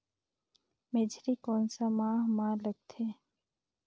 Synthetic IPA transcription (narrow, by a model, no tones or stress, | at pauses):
meːd͡ʒɾikɔːnsamãːɦmãːləɡ̚t̪ʰeː